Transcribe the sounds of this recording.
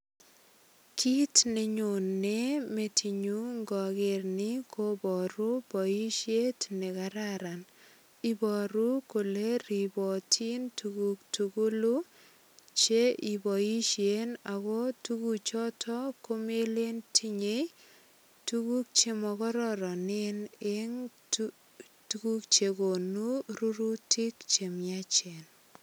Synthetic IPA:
kʰi˦tne˨ɲo˨nːe˦me˨tʰi˨ɲu˦ŋɡɔ˨ke˨rnɪ˦ko˦bɔ˨ɾu˦b̥ɔ˨i˦ʃje˦tne˨kaɾaɾan | ibɔ˨ɾu˦ko˨le˦ɾi˨bɔ˨tʰi˦ntuɡu˨k̚tuku˦lu˦ | t͡ʃe˦ʔi˨bɔ˨i˦ʃjenaɣɔ˦tuku˨t͡ʃɔ˦tʰɔ˦ko˦me˦le˦ntʰi˦ɲe˦j | tuku˦k̚t͡ʃe˨mɔ˨kɔ˦ɾɔɾɔ˨ne˦ne˦ŋt | tuku˦k̚t͡ʃe˨ko˨nu˦ru˦ɾutʰi˦kt͡ʃe˨mjat͡ʃe˨n

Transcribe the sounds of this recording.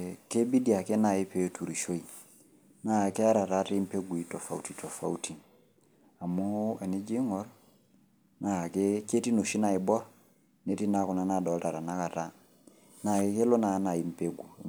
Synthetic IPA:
ke˦bi˦di˨a˨ke˦na˦˨ɪ˦pe˨˦tʰu˨ɾi˨ʃo˦i˨ | na˦˨kɛ˦a˦ɾa˨ta˦te˦m̩˦pe˦ɡu˨i˦tɔ˨fa̰˨u˦ti˨tɔ˨fa̰˨u˦ti˨ | a˨mo˦ɛ˨nɪ˦d͡ʒɪ˦ŋɔ˨˦ɾ | na˦˨ke˦ke˦ti˦no˨ʃi˦na˦˨ɪ˨bɔ˦ | ne˦ti˦na˦ku˨na˨˦na˨dɔ˨lta˨ɾa˨na˦ka˨ta˦ | na˨ɪ˦ke˦lo˦na˨˦na˨i˨˦m̩˦pe˦ɡu˨

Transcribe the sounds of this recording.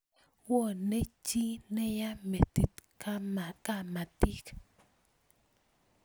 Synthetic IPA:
wo˦˨ne˦t͡ʃi˦ne˦ja˦me˨t̪i˦t̪ka˦ma˨ka˦ma˨t̪i˦k

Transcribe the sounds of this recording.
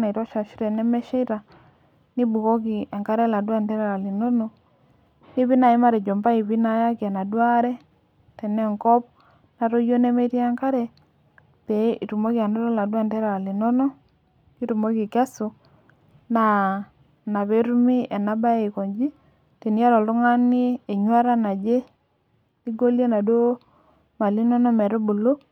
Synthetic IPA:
na˨i˨ɾɔ˦ʃa˨ʃi˦ɾɛ˨nɛ˦mɛ˦ʃɛ˦i˦ɾa˨ | ni˦bu˨ɣɔ˦ki˨a˨ŋka˦ɾɛ˦la˨dwa˦ntɛ˦ɾɛ˨ɾa˨li˨nɔ˦nɔ˨ | ni˦βi˦na˨i˦ma˦ɾɛ˨d͡ʒɔ˨mba˦i˨βi˦na˦ja˦ka˨na˨dwa˦ɾɛ˦ | tɛ˨nɛ˦ŋkɔ˦p | na˨ɾɔ˦jɔ˦nɛ˦me˦ɾji˦a˦ŋka˦ɾɛ˦ | tɛ˨i˨ɾu˨mɔ˦ɣja˨ndɔ˦ɾɔ˦la˨dwa˦˨ntɛ˦ɾa˨ɾa˨li˨nɔ˦nɔ˦ | ki˦tu˨mo˦ki˨ke˦su˨ | na˨ | na˨βe˦ɾu˦mi˦e˨na˦ba˦e˦˨i˨ko˨ɲd͡ʒi˦ | te˨ni˦a˦ɾo˨to˦ŋa˦ni˦e˨ɲwa˦ɾa˦na˨d͡ʒe˦ | i˦ɡo˦lje˦na˨do˦ | ma˨li˦nɔ˦no˦me˨ɾo˦bu˨lo˦

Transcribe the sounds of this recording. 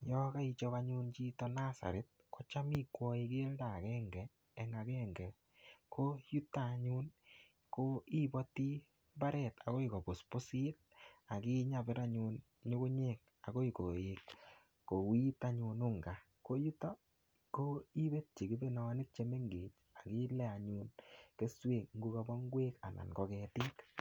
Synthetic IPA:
jɔ˦ka˦i˧t͡ʃɔ˦ka˦ɲu˦nt͡ʃi˦tɔ˦na˦sa̰˨ɾe˨t̚kɔ˦t͡ʃa˦mi˦kwɔ˦e˧ki˦e˦lda˨kɛ˦ŋɡɛː˨ | ŋa˧kɛ˦ŋɡɛ˨ | kʰo˦ju˦ta˦˨ɲu˦n | ko˦i˦bɔ˦ti˦ | mba˦ɾɛ˨ta˨ko˦i˨ko˨bo˨spo˦si˦t̚ | a˨ki˦ɲa˨be˦ɾa˦ɲu˧n | ɲo˦kʊ˦ɲe˦˨k̚ | a˨ko˦i˨ko˨e˨kː | o˨wi˦ta˦ɲu˧nʊ˦ŋɡa˨ | ko˦ju˦tɔ˦ | ko˦i˦be˦t̚t͡ʃi˨ki˦be˦na˨a˦nɪ˦k̚t͡ʃe˦me˦ŋɡe˨t͡ʃ | a˨ki˦lɛ˦a˨ɲu˦nke˦swe˨k̚ŋ̩ɡu˦ka˨˧bɔ˦ŋɡwe˦ka̰˨na̰˨nkɔ˨kɛ˨ti˦k

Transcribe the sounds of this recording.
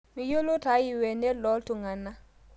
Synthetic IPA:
mi˨jo˦lo˦ta˦ji˨wɛ˨nɛ˦lɔ˦ltu˨ŋa˨nːa˦

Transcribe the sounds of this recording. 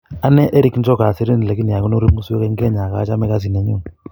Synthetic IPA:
a˦nɛ˦ʔɛ˦ɾi˦kn˦d͡ʒɔ˦ka˨si˦ɾe˦n˨la˨ki˦ni˨a˨ku˦no˦ɾi˦mu˦su˦ɛ˦kɛ˦ŋ˦ɡe˦˨ɲa˨ka̰˨˦t͡ʃa˦mɛ˦ka˦s̬i˨ne˨ɲo˦˨

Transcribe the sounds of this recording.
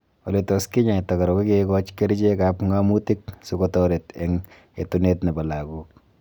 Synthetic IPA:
ɔ˨letɔskɪ˦ɲa˨ta˨ka˨ɾɔ˨kɔ˦kekɔ˦t͡ʃke˦ɾt͡ʃe˦kapŋamuti˦ksukɔtɔɾe˨te˦ŋ | e˨tune˦tna˨ba˨la˨ku˦k̚

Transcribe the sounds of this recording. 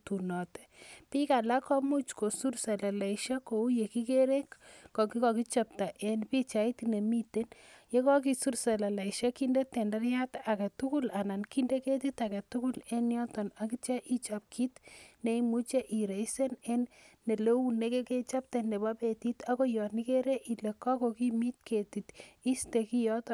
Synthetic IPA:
tu˨nɔ˨tɛ̥˨pi˦ka˨la˦kʰɔ˦mu˦t͡ʃko˨su˦ɾsa˨la˨la˨iʃa˦ko˨u˦je˨ki˦ke˦ɾe˦kːɔ˨kikɔki˦t͡ʃa˦p̚ta˨ʔe˨npi˦t͡ʃa˨i˦t̪ne˨mi˦te˦nje˦kɔ˦k̬i˦su˦ɾsa˨la˨la˨iʃa˦ki˦ndetɛ˨nda˦ɾja˦t̪a˨ka˨tuku˦la˨na˨nki˦nde˦ke˦t̪̬it̪a˨ka˨tu˦ku˦le˦njɔ˦t̪ɔna˨kit͡ʃa˦ʔi˦t͡ʃap̚kʰi˦t̪ne˦imu˦t͡ʃe˦ʔi˨ɾe˨ise˦ne˦nːe˨le˦u˦ne˦ke˦ke˦t͡ʃa˦p̚ta˨ne˨bapeti˦t̪ako˦jɔ˨ni˦keɾe˦ʔi˨le˨kɔ˦kokimi˦t̪̚kʰe˨ti˨t̪i˦steki˦jɔt̪ɔ

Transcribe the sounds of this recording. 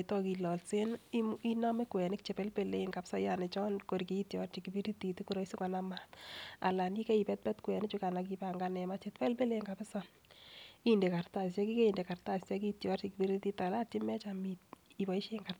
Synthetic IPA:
tɔ˦ki˨lɔ˨lse˦ni˦na˦me˦kwɛ˨nɪ˦k̚t͡ʃe˨pɛ˦lpe˨le˦iŋka˨psɔ˦jane˨t͡ʃɔ˦nko˨ɾki˨˦tjɔrt͡ʃikipi˦ɾi˦ti˨ti˦ku˦ɾo˦isu˦ka˨namata̰˨la˨ni˦kɛ˦ipɛ˦t̚pɛ˦tkwɛ˨nɪt͡ʃu˦ka˨na˨kipaŋɡanɛ˨mat͡ʃetpɛ˦lpe˦le˦ŋkapɪ˦sɔ˦ | inde˨ka˨rta˨sɛ˦ki˦ke˦i˨nde˨ka˨rta˨ssɛ˦ki˦tjɔrt͡ʃikipiɾiti˦tala˦ti˦mɛ˦t͡ʃamit̚iba˨i˦ʃeŋka˨r

